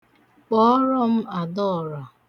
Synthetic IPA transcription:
k͡pɔ˨˦ɔ˦ɾɔ˦m̩˦a˨dɔ˦˨ɾa˨

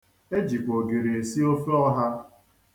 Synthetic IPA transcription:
e˦d͡ʒi˨kʷo˨ɡe˨ɾe˨e˨si˦o˦fe˦ɔ˦ɦa˦

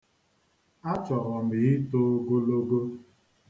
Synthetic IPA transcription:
a˦t͡ʃɔ˨ɾɔ˨m̩˨ɪ˨˦i˦to˦o˦ɡo˦lo˦ɡo˦

